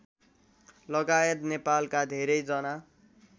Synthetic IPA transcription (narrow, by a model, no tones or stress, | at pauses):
lʌɡajet̪nepalkad̪ʱeɾʌjd͡zʌna